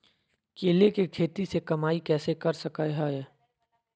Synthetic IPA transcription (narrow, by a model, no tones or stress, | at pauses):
keːlekekʰeːt̪isekɐmaːikɛːsekɐɾsɐkaɦaɛ